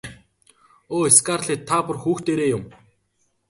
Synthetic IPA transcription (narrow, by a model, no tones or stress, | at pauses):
oːeskaːrɮiːt̪ʰːapʊ̆rxuːxt̪eːɾeːjʊm